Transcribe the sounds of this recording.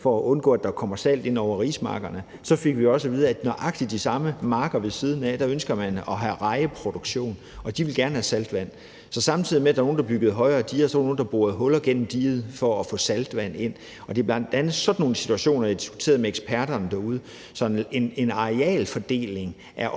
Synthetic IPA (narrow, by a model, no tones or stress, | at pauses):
fɒ̽æʔɔ̽nɡ̥ɔ̰ːæd̥ɑ̈kʰɒ̽mɐsæl̰d̥e̝nɒʊ̰ɐʁḭːsmɑ̰̈ːɡ̥ɐnə | sɒ̽fe̝ɡ̥ʋiɒ̽səʋiːð̞ˠɐæ̥nɒʔɑ̈ɡ̥̚d̥id̥isɑ̈məmɑ̈ːɡ̥ɐʋe̝lsiːð̞ˠn̩æd̥æønsɡ̥ɐmænɒ̽ɦæʁɑ̈ɪəpʰʁo̝d̥o̝ɡ̥ɕo̝̰ːn | ɒ̽d̥iʋe̝lɡ̥æɐnəhæsæld̥ʋæn̰ | sɒ̽sɑ̈mt͡sʰið̰ˠimed̥æ̈ɐno̝ːnd̥ɑ̈b̥yɡ̥əðˠɦɒ̽ɪʁɐːd̥iːɐsɒnoːn̩d̥ɑ̈b̥o̝ːɐðˠɦɔ̽lɐɡ̥en̰m̩d̥ḭːð̞̩ˠfɒ̽ːfɔ̰̽ːsæld̥ʋæn̰e̝n̰ | ɒ̽d̥e̝b̥lænd̥ænsɒ̽d̥no̝ːn̩əsit͡sʰuæɕo̝̰ːnɐdid̥isɡ̥u̥t͡sʰe̝̰ːɐð̞ˠmeeɡ̥spʰæɐɾ̥ɐnəd̥æɐuð̞ˠə | sɒ̽ene̝nɑ̈ʁeɛ̰ːlfɒ̽d̥e̝̰ːle̝ŋ | ʔæɐ